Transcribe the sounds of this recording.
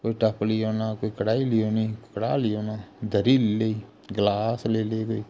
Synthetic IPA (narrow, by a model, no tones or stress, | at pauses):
koːiʈəplijoːnaːkoːikəɽaːilijoːneikəɽaːlɪjoːnaːd̪əɾiːlleiː | ɡlaːsleːleːɡəiː